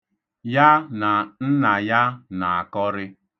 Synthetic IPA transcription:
ja˦na˨n̩˦na˨ja˦na˨a˨kɔ˦ɾɪ˦

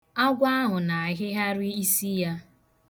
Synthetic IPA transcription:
a˦ɡʷa˦a˦ɦʊ˨na˨˦ɦɪ˦ɦa˦ɾi˦i˦si˦ja˦

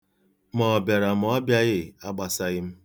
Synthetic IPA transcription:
mɔ˨be˨ɾa˨m˨˦ɔ˦bja˦ɣɪ˦a˦ɡ͡ba˨sa˦ɣɪ˦m̩˦

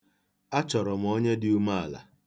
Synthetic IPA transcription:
a˦t͡ʃɔ˨ɾɔ˨m̩˨ɔ˦ɲe˦dɪ˦u˦ma˦a˨la̰˨

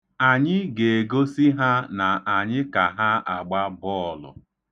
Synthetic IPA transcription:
a˨ɲɪ˦ɡe˨ɡo˦si˦ɦa˦na˨a˨ɲɪ˦ka˨ɦa˦a˨ɡ͡ba˦bɔ˦ɔ˨lʊ̰˨

